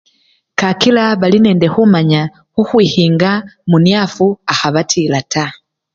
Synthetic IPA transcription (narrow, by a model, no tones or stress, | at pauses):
kakilaβalinɛːndexumaɲa | xuxwiːhiːŋɡamunjafuaxaβatʰilatʰa